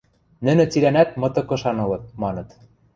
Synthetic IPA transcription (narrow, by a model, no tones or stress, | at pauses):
nɘ̆nɘ̆t͡silænæt̪̚mɤ̆t̪ɤ̆kɤ̆ʃɑnɤ̆lɤ̆t̪̚mɑnɤ̆t̪